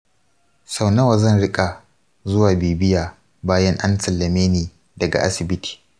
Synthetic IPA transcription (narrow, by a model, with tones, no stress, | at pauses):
sa˦˨wnɐ˦wa˨zɐ˦nɽɪ˦kʼa˨ | zʊ˦waː˨biː˨bɪ˦jaː˨ | baː˦jɐ˦ŋʔa˦nsɐ˨lːɐ˨meː˦neː˨ | dɐ˨ɡa̰˨ʔa̰˦sɪ˨bɪ˦tʰi̥ː˨